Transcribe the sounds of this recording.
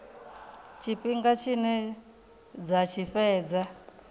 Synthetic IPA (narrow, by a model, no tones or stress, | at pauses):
t͡ʃʰiɸiŋɡat͡ʃʰinɛ | d͡zat͡ʃʰiɸɛːd͡za